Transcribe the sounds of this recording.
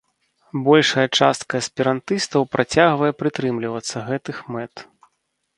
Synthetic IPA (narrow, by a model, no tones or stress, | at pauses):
bɔlʲʂɐjɐt͡ʂast̪kɐɐsʲpʲiɾant̪ɨst̪ɐwpɾʔat͡sʲaɣvɐjɛpɾɨt̪ɾɨmlʲivɐt̪sːɐɣɛt̪ɨxmɛt̪